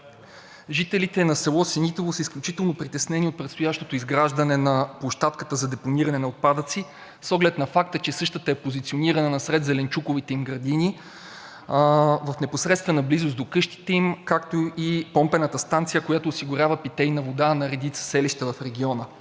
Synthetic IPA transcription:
ʒit̪ɛlit̪ɛnɐsɛlˠɔsɛnit̪ovosəisklʲut͡ʃit̪ɛlˠnopɾit̪ɛsnɛniot̪̚pɾɛt̪st̪ojaʃt̪ot̪oizɡɾaʒd̪ɐnɛnɐplˠoʃt̪at̪kə̥t̪əzɐd̪ɛponiɾɐnɛnɐot̪̚pad̪ət̪si | sɔɡlɛt̪nɐfak̚t̪ət͡ʃɛsɤʃt̪ət̪əɛpozit̪sioniɾɐnənɐsɾɛd̪zɛlɛnt͡ʃukʊvit̪ɛimɡɾɐd̪ini | vɐfnɛposɾɛt̪st̪vɛnəblizosd̪okɤʃt̪i̥t̪ɛimkakt̪oipɔmpɛnət̪əst̪ant̪sijəkojat̪oːsiɡʊɾʲavəpit̪ɛjnɐvod̪anɐɾɛd̪it̪sə̥sɛliʃt̪əvɐfɾɛɡʲiɔnə

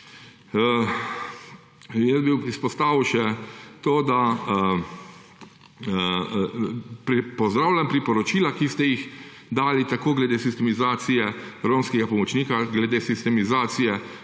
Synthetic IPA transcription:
jəsbiwispɔst̪aːʋwʃɛt̪oːd̪a | pɾpɔzd̪ɾawlʲampɾipɔɾɔt͡ʃiːlakist̪ɛjix | d̪aːlit̪akoːɡlɛd̪eːsist̪ɛmizaːt̪sijɛɾoːmskɛɡapɔmɔt͡ʃniːkaɡlɛd̪eːsist̪ɛmizaːt̪sijɛ

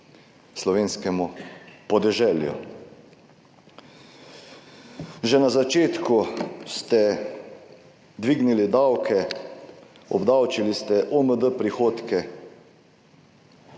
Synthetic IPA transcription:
slɔʋeːnskɛmupɔd̪ɛʒɛːljṵ | ʒɛnazat͡ʃeːt̪kust̪ɛ | d̪ʋiɡnilid̪awkʰɛ | ɔ̰bd̪awt͡ʃilist̪ɛʔoməd̪əpɾixoːt̪kɛ

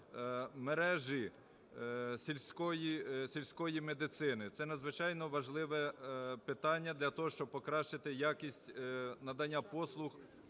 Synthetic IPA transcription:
meɾɛʒi | sʲilʲsʲkɔjisʲilʲsʲkɔjimed̪ɪt̪sɪnɪt̪sɛnɐd̪zʋɪt͡ʃɑjnɔʋɐʒlˠɪʋɛpɪt̪ɑnʲːɐd̪lʲɐt̪ɔɦɔʃt͡ʃɔb̚pɔkɾɑʃt͡ʃɪt̪ɪjɑkʲisʲtʲnɐd̪ɐnʲːɐpɔslˠʊx

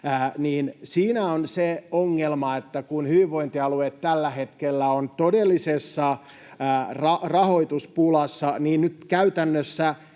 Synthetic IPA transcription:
æniːnsiːnæonseoŋːelmɑet̪ːækunhyʋiʋʋoint̪iɑluet̪tælːæhet̪kelːæont̪odelːisesːɑ | rɑrɑhoit̪uspulɑsːɑniːnnyt̪kæyt̪ænːøsːæ

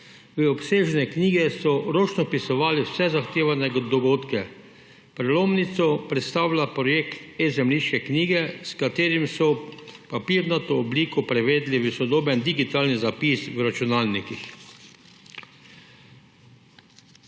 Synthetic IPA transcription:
ʋəɔpseːʒnɛkniːɡɛsɔɾoːt͡ʃnɔpisɔʋaːliwsɛzaxt̪eːʋanɛɡd̪ɔɡoːt̪kɛ | pɾɛloːmnit̪sɔpɾɛt̪st̪aːwlapɾɔjeːkt̪ɛzɛmliʃkɛkniːɡɛskat̪eːɾimsɔpapiːɾnat̪oːbliːkɔpɾɛʋeːd̪liʋəsɔd̪oːbɛnd̪iɡit̪aːlnizapiswɾat͡ʃunaːlnikix

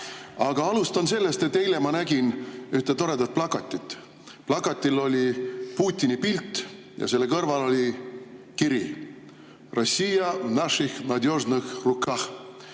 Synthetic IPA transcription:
ɑɡ̥ɑɑlust̪ɑnse̞lːe̞st̪et̪ːe̞jlemɑnæɡ̥inyht̪et̪o̞ɾe̞d̪ɑt̪̚plɑkɑt̪ʲːˑit̪ːˑ | plɑkːɑt̪ʲːˑilo̞lʲipuːt̪ʲːˑinipilt̪ːˑ | jɑ̰se̞lːekɤrvɑlo̞lʲi | kiɾi | rosʲːijɑnɑʂixnɑd̪ʲjoʐnuxrukɑx

